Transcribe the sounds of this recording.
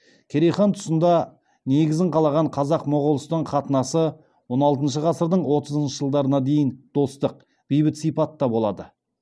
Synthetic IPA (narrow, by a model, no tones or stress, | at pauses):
kʲʰeɾejχɑnt̪ʰʊ̥sənd̪ɑ | ne̞ɡʲɪzɪɴqʰɑlˠɑʁɑɴqʰɑzɑqmʊʁʊlˠəst̪əɴχɑt̪ənɑsə | wo̞nɑlˠt̪ənʃ̬əʁɑsəɾd̪əɴwo̞t̪əzənʃəʒəlˠd̪ɑɾənɑd̪e̞jɪnd̪̥o̞st̪əq̚ | b̥ijbɪt̪sijpɑt̪ːɑbo̞lˠɑ̰d̪ə